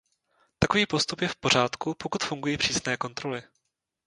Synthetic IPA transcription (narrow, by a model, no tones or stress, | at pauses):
t̪akoviːpo̞st̪upjɛfpo̞r̝aːt̪kupo̞kut̪fuŋɡujiːpr̥iːsnɛːko̞nt̪ɾo̞lɪ